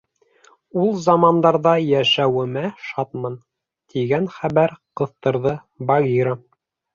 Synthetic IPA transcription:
ulˠzɑmɑnd̪ɑɾðɑjæʃæwɘ̆mæʃɑt̪mɑn | t̪ʰiɡænχæβæɾqɤ̆θt̪ɤ̆ɾðɤ | bɑɡʲiɾə

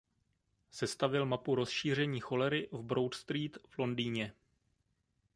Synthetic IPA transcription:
sɛst̪avɪlmapuɾo̞sʃiːr̝ɛɲiːxo̞lɛɾɪvbɾo̞wt̪st̪ɾiːt̪v̥lo̞ndiːɲɛ

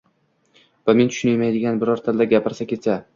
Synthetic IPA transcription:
vame̞nt̪ʰʊ̥ʃʊnajmajd̪ɪɡʲanbɪɾɒɾt̪ʰald̪aɡʲapɪɾsakʲʰe̞t͡ʃʰa

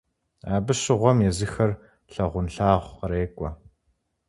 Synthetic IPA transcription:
aːbɨɕɪʁʷɔmjɛzɨxɐr | ɬɐʁʷʊnɬaːʁʷɾeːkʷʼɔ

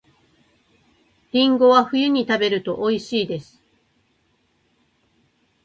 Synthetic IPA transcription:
ɾʲĩŋɡo̞βaɸɯ̟jɯ̟ɲ̟it̪abe̞ɾɯ̟t̪o̞ʔoiɕiːd̪e̞sɨ̥

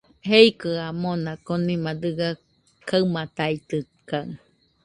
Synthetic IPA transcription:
ɦeikəamonakonimad̪ɯɡa | kawmat̪ait̪ɨ | kaŋ

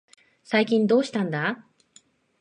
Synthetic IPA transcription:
saikʲĩnd̪o̞ːɕi̥t̪ãnd̪a

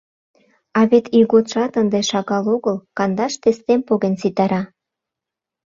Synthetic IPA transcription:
ɑβet̪iɣot̪ʃɑt̪ənd̪eʃɑɣɑloɣəlkɑnd̪ɑʃt̪est̪empoɣensit̪ɑɾɑ

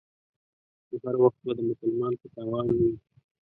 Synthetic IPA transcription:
kohaɾwaxt̪̚bad̪əmʊsalmɑnopət̪ɑwɑnwi

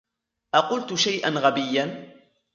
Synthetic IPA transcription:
ʔaqʊlt̪ʊʃajʔanɣabɪjːan

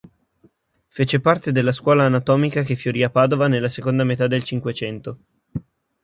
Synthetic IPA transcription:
feːt͡ʃepart̪ed̪elːaskwɔːlaːnat̪ɔːmikakefjoɾiapaːd̪ovanelːasekond̪amet̪ad̪ːelt͡ʃiŋkwet͡ʃɛnt̪o

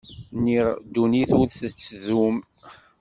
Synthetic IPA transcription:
niʁd̪uniθuɾθət͡sːðum

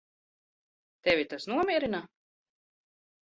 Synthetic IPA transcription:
t̪ɛvʲit̪asnuɔmʲiɛɾina

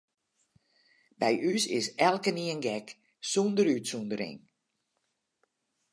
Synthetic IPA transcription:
bɛjʔysɪ̰sɛlˠkəniənɡɛk | sundəɾytsundəɾɪ̰ŋ

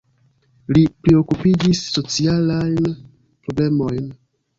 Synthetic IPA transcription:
lipɾeo̞kupid͡ʒisːo̞t͡sialajn | pɾo̞ble̞mo̞jn

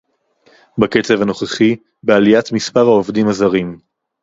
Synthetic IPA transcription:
baket͡se̞vano̞χeχi | bealijatmispaʁhaovdimazaʁim

